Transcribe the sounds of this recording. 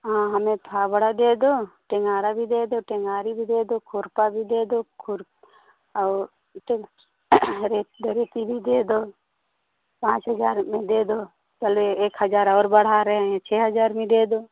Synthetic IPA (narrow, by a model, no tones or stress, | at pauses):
ɦãːɦəmẽt̪ʰaːbəɽ̤ad̪eːd̪oːʈeŋɡaːɾabʱiːd̪eːd̪oːʈɛŋaːɾibʱiːd̪eːd̪oːkʰʊɾpabʱiːd̪eːd̪oːkʰʊɾː | ʈe | ɾeɾeːt̪ibʱid̪eːd̪oː | pãːt͡ʃɦəd͡ʒaːɾmẽd̪eːd̪oː | t͡ʃəleeːkɦəd͡ʒaːɾɔːɾbəɽ̤aɾəɦɛ̃t͡ʃʰɛːɦəd͡ʒaːɾmẽd̪eːd̪oː